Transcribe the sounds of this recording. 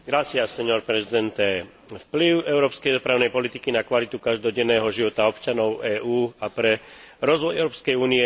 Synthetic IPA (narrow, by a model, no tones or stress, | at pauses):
ɡɾat͡siasɛɲɔɾpɾɛzid̪ɛnt̪ɛ | fpliʊɛʊɾɔːpskɛjd̪ɔpɾaːʊnɛjpɔlit̪ikinakʋalit̪ukaʒd̪ɔɟɛnːɛːɦɔʒiʋɔt̪aɔpt͡ʃanɔʊɛːʔuːapɾɛɾɔzʋɔjɛʊɾɔːpskɛjuːniɛ